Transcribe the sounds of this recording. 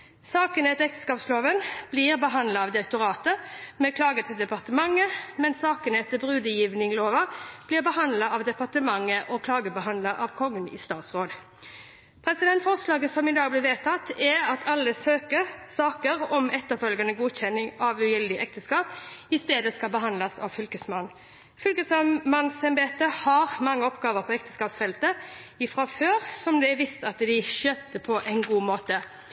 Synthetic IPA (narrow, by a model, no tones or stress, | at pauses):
sɑːkənɛt̪ːəɛkt̪ə̥skɑːpsloːʋənb̥lɪʁbəɦɑnd̪lɑɑʋd̪ɪɾɛk̚t̪ʊɾɑːt̪əmɛkʰlɑːɡət̪ʰɪld̪ɛpɑʁt̪əmɑŋːəmɛnsɑːkənɛt̪ːəbʁʉːd̪əjiːʋnɪŋloːʋɑb̥lɪːʁbəhɑnd̪lɑɑʋd̪ɛpɑʁt̪əmɑŋːəʔɔkʰlɑːɡəbəhɑnd̪lɑʔɑʋkʰɔŋːənɪ̰st̪ɑːt̪sʁoːd̪ | pʰʁɛsɪd̪ɛnt̪fɔʁslɑːɡəsɔmɪd̪ɑːɡblɪʋeːt̪ʰɑt̪ːɛʁɑt̪ʰɑlːəsøːkəʁsɑːkəʁɔmɛt̪ːəfœlɡɑnəɡuːçɛnːɪŋɑʋʉjɛld̪ɪʔɛk̚t̪əskɑːpɪst̪eːd̪əskɑlbəɦɑnlɑsɑ̰ʋfʏlkəsmɑnː | fʏlkəsmɑnsɛmbeːt̪əhɑʁmɑŋːəɔpɡɑːʋəʁpʰɔɛkt̪ə̥skɑːpsfɛlt̪əɪfʁɑføːʁsɔmd̪ɛæʋɪst̪ɑt̪d̪ɪʃøːt̪ːəpʰɔʔæɪnɡuːmoːt̪ə